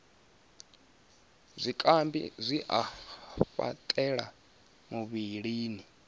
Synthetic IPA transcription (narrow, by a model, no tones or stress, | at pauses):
zʷikʼambḭzʷiʔaɸa̰tʼɛɺa̰ | muβiɺiːni